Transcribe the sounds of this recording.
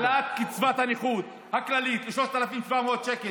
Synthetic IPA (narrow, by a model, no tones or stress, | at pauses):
lat̪kit͡svat̪haneχud | haklalit̪liʃloʃt̪alafimʃvameod̪̚t͡ʃeke